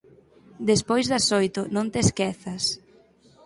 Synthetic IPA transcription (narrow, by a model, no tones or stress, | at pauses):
d̪espojzðɐsojt̪ʊnõnt̪eskɛθɐs